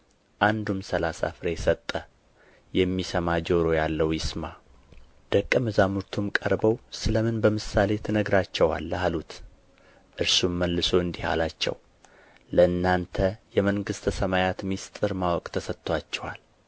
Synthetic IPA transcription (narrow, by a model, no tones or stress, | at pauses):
ʔand̪umsəlasa̰fɾejɛsət̪ʼːə | jɛmːisəmad͡ʒoɾo̞jalːəwjɪsma | d̪̥əkʼːəmɨzamuɾt̪ʰumkʼəɾbəwsɨləmɨnbəmɨsale̞t̪ʰɨnəɡɾat͡ʃːɛwa̰lːalut̪ | ʔɨɾsumːəlːɨso̞ɨnd̪iha̰lat͡ʃːɛ̰w | ləɨnːant̪ʰəjɛməŋɡɨst̪ʰəsəmajat̪mist̪ʼɨɾmawɔkʼt̪ʰəsət̪ʰʼːowat͡ʃːɛwal